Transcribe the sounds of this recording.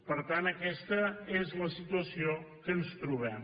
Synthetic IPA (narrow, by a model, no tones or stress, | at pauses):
pəɾt̪anəkɛst̪əezləsit̪uəsio | kənst̪ɾuβɛm